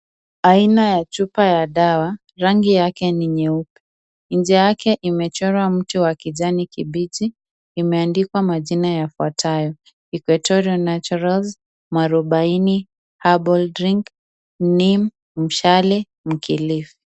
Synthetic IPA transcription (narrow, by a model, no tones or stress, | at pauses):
ainajat͡ʃupajaɗawa | ɾaŋɡijakɛniɲɛupi̥ | ɲd͡ʒɛjakɛʔimɛt͡ʃɔɾwam̩tuwakiʄanikiɓid͡ʒiː | mɛandikwamaʄinajafuatʰajɔ | ikwɛtɔɾiɔnat͡ʃuɾalz | maɾɔɓaini | habɔldɾiŋk | nim | m̩ʃalɛ | m̩kʰilifi̥